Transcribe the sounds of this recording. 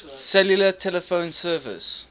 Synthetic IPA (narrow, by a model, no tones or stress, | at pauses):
sɛljulətʰɛləfõʊ̃nsɜːvɪ̰s